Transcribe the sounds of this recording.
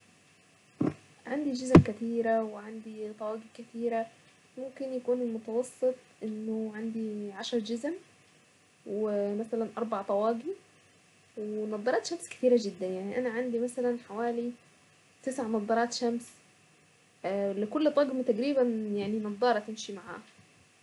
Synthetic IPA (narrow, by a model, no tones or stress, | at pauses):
ʕand̪id͡ʒɪzmkæt̪iːɾæweʕand̪it̪ˤɑwɑːɡikɪt̪iːɾæ | mʊmkɪnjækuːnɪlmʊt̪ɑwɑsˤːɨt̪ˤʔɪnːoʕand̪iʕaʃɑɾˤd͡ʒɪzm | wemæsælænʔɑɾˤbaʕt̪ˤɑwɑːɡi | wenɑd̪ˤːɑɾˤɑːt̪ʃæmskɪ̥t̪iːɾæd͡ʒɪd̪ːænjaʕniʔænæʕand̪imæsælænħawaːli | t̪ɪsʕmɑt̪ˤːɑɾˤɑːt̪ʃæms | lɪkʊlːt̪ˤɑɡmt̪æɡɾiːβænjaʕninɑd̪d̪ˤːɑːɾˤɑt̪ɪnʃimaʕa̰ːh